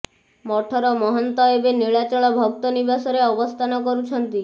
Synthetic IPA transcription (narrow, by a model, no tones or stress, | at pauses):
mɔʈʰɔɾɔmɔɦɔnt̪ɔebeniɭat͡ʃɔɭɔbʱɔk̚t̪ɔnibasɔɾeɔbɔst̪ʰanɔkɔɾut͡ʃʰɔnt̪i